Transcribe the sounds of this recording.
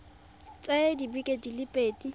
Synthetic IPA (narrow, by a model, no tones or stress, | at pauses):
t͡sʼedibikʼedilɪpʼeːtʼi